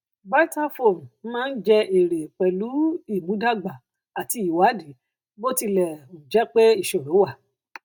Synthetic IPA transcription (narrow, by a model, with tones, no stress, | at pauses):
ba˦ta˦fo˦˨m˨˦mãː˦˧n̩˦d͡ʒɛ˧ʔe˨ɾe˨k͡pɛ˨lu˨˦i˦˨mũ˨˦da˦ɡ͡ba˨ | a˨ti˧˦i˨wa˨˦di˨˦ | bo˦ti˧lɛ˨õ˨d͡ʒɛ˦k͡pe˦i˦˨ʃɔ˨ɾo˨˦wa˦˨